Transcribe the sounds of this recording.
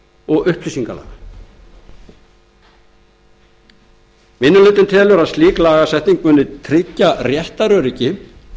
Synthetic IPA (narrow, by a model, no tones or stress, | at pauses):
ɔɣʏhpʰlisiŋkala̰ːɣ | mɪnːʏlʏt̪ɪnt̪ʰɛːlʏɾaðst̪liːklaːɣasɛht̪niŋkvʏnːɪt̪ʰɾɪcːarjɛht̪aɾœɾicɪ